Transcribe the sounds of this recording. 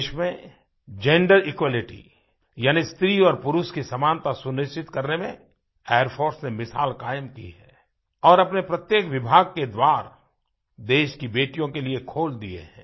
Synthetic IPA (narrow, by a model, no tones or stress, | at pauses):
ʃmẽ | d͡ʒɛ̃ɳɖəɾɪkwaːlɪʈḭ | jaːnist̪ɾiɔːɾpʊɾʊʃkisɐmaːnt̪asʊnɪʃt͡ʃɪt̪kɐɾnemẽ | eːəɾpʰoːɾsnemɪsaːlkaːjəmkḭɦɛː | ɔːɾɐpnepɾɐt̪jeːkʋɪbʱaːɡ̚ked̪waːɾ | d̪eːʃkibeːʈijõkeliekʰoːld̪iḛɦɛ̃ː